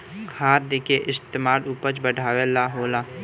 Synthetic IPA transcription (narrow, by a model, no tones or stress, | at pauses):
kʰaːt̪̚d̪ekeʔɪst̪emaːɾupət͡ʃbəɖʱaːwelaɦoːlaː